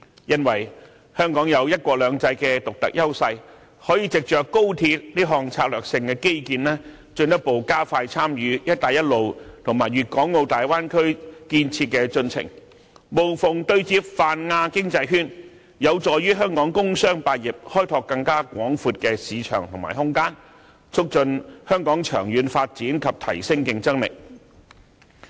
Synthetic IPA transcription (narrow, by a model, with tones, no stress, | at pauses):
jɐ˥nwɐ˨˩j | hœː˥ŋkɔː˨˥ŋjɐ˨˧wjɐ˥t̚kʷɔː˧k̚lœː˨˧ŋt͡sɐ˧jkɛ˧t̪ʊ˨k̚t̪ɐ̰˨k̚jɐ˥wsɐ˧j | hɔː˨˥jiː˧t͡sɪ˨k̚t͡ʃœː˨kːo˥wt̪ʰiː˧t̚liː˥ɦɔː˨ŋt͡sʰaː˧k̚lœː˨k̚sɪ˧ŋkɛː˧ke˥jkiː˨nlɛː˥ | t͡ʃɵ˧nt̪ɐ˥po˨˩wkaː˥faː˧jt͡sʰaː˥mjyː˨˧˥jɐ˥t̪̚ːaː˨jɐ˥t̚lo˨wt̪ʰʊ˨˩ŋmaː˨˩jɥyː˨t̚kɔː˨˥ŋːo˧wt̪aː˨jwaː˥nkʰɵ˥ɥkiː˧nt͡sʰiː˧t̚kɛː˧t͡sɵ˧nt͡sʰɪ̰˨˩ŋ | mo˨˩wfʊ˨˩ŋt̪ɵ˧ɥt͡siː˧˥p̚faː˨nŋaː˧kɪ˥ŋt͡sɐ˧jɦyː˥n | jɐ˨˧wt͡sɔː˨˧jɥyː˥ɦœː˥ŋkɔː˨˥ŋkʊ˥ŋsœː˥ŋpaː˧t̚jɪ˨p̚hɔː˥jt̪ʰɔː˧kːɐ˧ŋkaː˥kʷɔː˨˥ŋfuː˧t̚kɛː˧siː˨˧t͡ʃʰœ̰ː˨˩ŋt̪ʰŋma̰ː˨˩jhʊ˥ŋkaː˥n | t͡sʰʊ˥k̚t͡ʃɵ˧nhœː˥ŋkɔː˨˥ŋt͡ʃʰœː˨˩ŋjyː˨˧nfaː˧t̚t͡siː˨˥nkʰɐ˨p̚t̪ʰɐ̰˨˩jsɪ˥ŋkɪ˨˧ŋt͡sɐ˥ŋlɪ̰˨k̚